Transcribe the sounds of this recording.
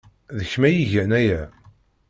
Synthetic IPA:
ðəçmæjiʝænæjæ

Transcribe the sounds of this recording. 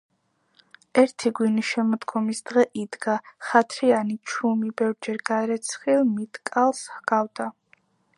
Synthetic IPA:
ɛɾt̪ʰiɡwiniʃɛmɔd̪ɡɔmisd̪ʁɛʔid̪ɡaχat̪ʰɾianit͡ʃʰumibɛvɾd͡ʒɛɾɡaɾɛt̪sʰχilˠmit̪ʰkʼalˠshɡavd̪a

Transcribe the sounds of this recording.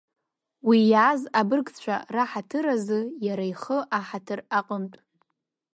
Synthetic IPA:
wijazabɨrɡt͡ɕʷʰa̰raħatʰɨɾazɨjaɾaiχəʔaħatʰɨraqʼəmtʼ

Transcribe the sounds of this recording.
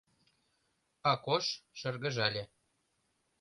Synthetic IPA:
ɑkoʃʃə̆rɣə̆ʒɑlʲe

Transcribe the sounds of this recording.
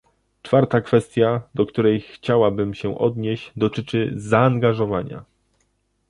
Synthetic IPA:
t͡ʂfaɾt̪akfɛst̪ʲjad̪ɔkt̪uɾɛjxt͡ɕawabɘmɕɛʔɔ̰d̪ɲeɕt͡ɕd̪ɔt̪ɘt͡ʂɘzaːŋɡaʐɔvaɲa̰

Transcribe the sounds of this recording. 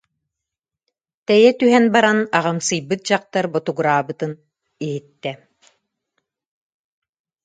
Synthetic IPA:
t̪ɛjɛt̪yɦɛnbaɾanaʁɯmsɯjbɯt̪̚d͡ʑaq̚t̪aɾbɔt̪uɡuɾaːbɯt̪ɯn | iɦit̪ːɛ

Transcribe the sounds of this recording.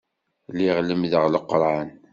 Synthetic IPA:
liʁləmðəʁləqːɾˤan

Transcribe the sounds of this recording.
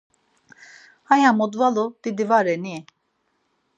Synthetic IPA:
hajamod̪valˠud̪̥id̪ivaɾɛni

